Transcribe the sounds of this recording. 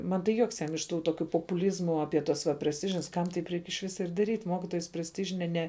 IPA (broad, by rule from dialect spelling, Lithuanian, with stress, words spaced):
ˈmɐn tɐɪ ˈjuɔks ˈjɛm ɪʃ ˈtuː ˈtoːkʲʊ poːˈpuːlʲiːzmʊ ɐˈpʲiɛ tɐs ʋɐ pʲrʲɛsʲˈtʲɪʒʲɪns ˈkɐm tɐɪp ˈrʲɛɪk ɪʃ ˈʋʲɪsɐ ɪr dɐˈrʲiːtʲ ˈmoːkʲɪtoːjɛs pʲrʲɛsʲˈtʲɪʒʲɪnʲɛ nʲɛ